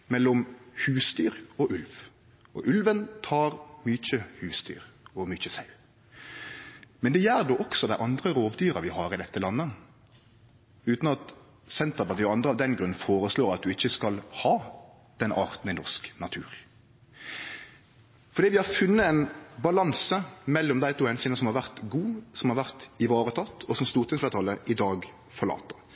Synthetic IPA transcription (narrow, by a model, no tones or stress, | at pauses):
mɛlːɔmhʉːst̪yːʁɔʔʉlʋ | ɔ̰ʔʉlʋənt̪ʰɑːɾmyːc͡çəhʉːst̪y̰ːʁɔmyːçəsɑʉ | mɛnd̪ɛjæːʁd̪oːʔɔksɔd̪æɪʔɑnd̪ʁəɾoːʋd̪yːɾɑʋɪhɑːɾɪd̪ɛt̪ːəlɑnːə | ʉːt̪nɑt̪ | sɛnt̪əʁpɑʁt̪iːɔɑnd̪ɾəɑʋd̪ɛnɡɾʉnfoːɾəsloːɾɑt̪̚d̪ʉɪçːəskɑlhɑː | d̪̥ɛnʔɑ̰ːʁt̪n̩ɪnɔʁsknɑt̪ʰʉːʁ | fɔɾd̪iːʋɪhɑɾfʉnːəɛnbɑlɑnsəmɛlːɔmd̪æɪt̪uːhɛnsiːnəsɔmhɑʁʋæʁt̪ɡuːsɔmhɑʁʋæʁt̪ɪʋɑːʁət̪ʰɑt̪ːɔsɔmst̪uːʁt̪ɪnsfæt̪ʰɑlːəʔɪd̪ɑːɡ | fɔʁɭɑ̰ːt̪ːɑ̥